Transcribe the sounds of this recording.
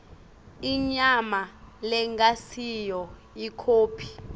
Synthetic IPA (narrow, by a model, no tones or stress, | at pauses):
iɲamalɛŋɡasijɔ | ikʰoːpʰi̥